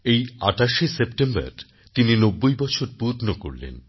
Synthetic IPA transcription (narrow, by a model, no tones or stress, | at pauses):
eja̰ʈaʃisep̚ʈemba̰ɾ | t̪ininobːojbɔt͡ɕʰoɾpud̪noko̰ɾlḛn